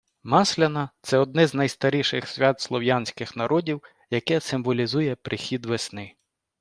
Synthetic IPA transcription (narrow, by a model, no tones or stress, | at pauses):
mɑslʲɐnɐt̪sɛɔd̪̚nɛznɐjst̪ɐɾʲiʃɪxsʲʋʲɑt̪slˠɔwjɑnʲsʲkɪxnɐɾʔɔdʲiw | jɐkɛsɪmʋɔlʲizujɛpɾʔɪxʲid̪ʋesnɪ